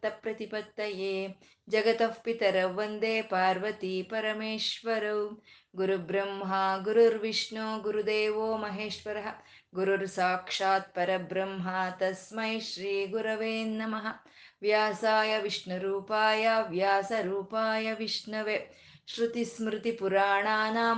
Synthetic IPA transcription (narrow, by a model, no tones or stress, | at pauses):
t̪ɐpɾɐt̪ipɐt̪ːɐjeː | d͡ʒɐɡɐt̪ɐfpit̪ɐɾɐʋːɐnd̪eːpaːɾʋɐt̪ipɐɾɐmeːʂʋɐɾɐw | ɡuɾubɾɐmɦɐɡuɾuɾʋiʂɳoːɡuɾud̪eːʋoːmɐɦeːʂʋɐɾɐɦɐ̆ | ɡuɾuɾsaːkʂaːt̪̚pɐɾɐbɾɐmɦat̪ɐsmɐjʃɾiːɡuɾɐʋeːnːɐmɐɦɐ̆ | ʋjaːsaːjɐʋiʂɳɐɾuːpaːjaːʋjaːsɐɾuːpaːjɐʋiʂɳɐʋe | ʃɾut̪ismɾɪt̪ipuɾaːɳaːnaː